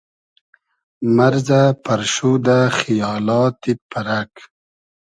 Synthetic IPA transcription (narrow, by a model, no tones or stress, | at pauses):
maɾzapaɾʃud̪axijɑːlɑːt̪ipʰaɾak